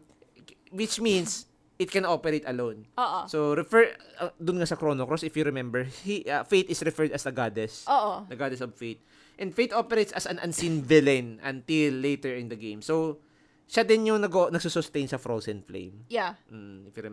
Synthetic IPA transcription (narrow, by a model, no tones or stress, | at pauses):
wɪt͡ʃmins | ʔɪt̪̚kɛ̃nʔopɛɾejt̪ɐlownoːʔosoɾɛfɛɹɐd̪ʊnŋasɐkɾonokɾosɪfjuɾɛmɛmbɛɹhiʔɐfejt̪ɪsɹɛfɛɹd̪ɐsd̪ɐɡad̪ɛsoːʔod̪ɐɡad̪ɛsɔbfejt̪̚ | ʔɛ̃nd̪fejt̪ʔopɛɾejt̪sɐsɐnʔɐnsinvɪlɛnʔɐ̰̃nt̪ɪlːejt̪ɛɹɪ̃nd̪ɐɡẽjmso | ʃad̪ɪnjʊŋnɐɡoʔonɐɡsusʊst̪ejnsɐfɹosɛnflḛjmjaɪfju